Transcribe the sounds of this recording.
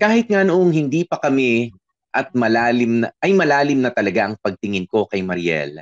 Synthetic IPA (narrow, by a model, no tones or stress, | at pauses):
kaːhɪt̪̚ŋanoʔoŋhɪnd̪iːpɐkɐmɛ | ʔɐt̪̚mɐlaːlɪmnɐʔɐjmɐlaːlɪmnɐt̪ɐlɐɡaʔɐŋpɐɡ̚t̪ɪŋɪnko̞kɐjmɐɾjɛ̰l